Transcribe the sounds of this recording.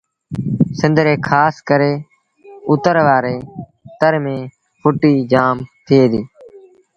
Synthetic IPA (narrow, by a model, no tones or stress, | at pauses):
sɪ̃nd̪ɾeːkʰaːskəɾeː | ʊt̪əɾʋaːɾeː | t̪əɾmẽː | pʰʊʈiːd͡ʒaːmt̪ʰɪeːd̪iː